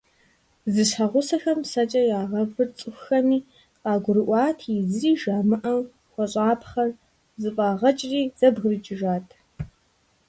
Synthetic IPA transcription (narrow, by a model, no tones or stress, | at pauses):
zɨɕħɐʁʷʊsɐxɐmsɐt͡ʃʼɐjaːʁɐvɨrt͡sʼɨxxɐmiː | qʼɑːɡʷʊɾɨʔʷɑːtʰizɨriːʒaːmɨʔɐw | xʷɔɕʼaːpʰχɐr | zɨpʼɑːʁɐt͡ʃʼriːz̥ɐbɣrɨt͡ʃʼɪʒaːtʰ